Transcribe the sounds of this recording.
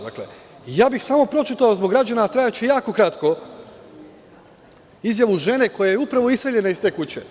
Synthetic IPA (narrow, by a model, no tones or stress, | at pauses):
d̪akle | jaːbixsaːmo̞pɾo̞t͡ʃit̪aozboɡɾad͡ʑanat̪ɾajat͡ɕejaːko̞kɾat̪ko | izjaʋuʒe̞neko̞jajeupɾaʋo̞iseʎe̞naist̪e̞ːkut͡ɕe